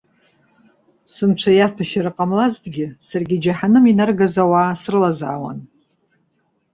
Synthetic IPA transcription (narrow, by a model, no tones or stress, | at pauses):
sɨmt͡ʃʷʰajapʰaʃaɾɨqʼamlazdɡʲɪsarɡʲɪd͡ʒaħanɨminarɡazawaːsrɨlaza̰ːwa̰n